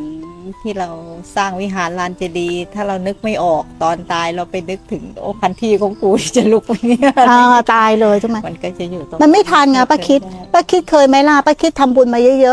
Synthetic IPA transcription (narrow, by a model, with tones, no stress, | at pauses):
t̪ʰiː˥˩ɾa˧wsaː˥˩ŋwi˦˥ɦaː˩˦nlaː˧nt͡ɕa˨˩diː˧t̪ʰaː˥˩ɾa˧wnɯ˦˥k̚ma˥˩jʔɔː˨˩k̚t̪ɔː˧nt̪aː˧jɾa˧wpa˧jnɯ˦˥k̚t̪ʰɯ˨˩˦ŋʔo̰ː˧˩pʰa˧nt̪ʰiː˧˩kʰɔː˨˦ŋkuː˧ni˧˩t͡ɕa˨˩lu˦˥k̚a˧˩ŋi˦˥jʔaː˧˩t̪aː˧jlɤː˧jt̪ʰɯ˥˩ma˦˥ma˧nkɔː˥˩t͡ɕa˨˩juː˨˩˧ma˧nma˥˩jt̪ʰaː˧nŋaː˧˩paː˦˥kʰi˦˥t̪̚paː˥˩kʰi˦˥t̪̚kʰɤː˧jma˦˥jlaː˧˥˩paː˦˧˩kʰi˦˥t̪ʰːa˧mbu˧nmaː˧jɤ˦˥jɤ˦˥ʔ